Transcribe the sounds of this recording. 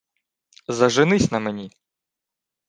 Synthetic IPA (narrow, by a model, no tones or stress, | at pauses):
zɐʒɪnɪsʲnɐmenʲi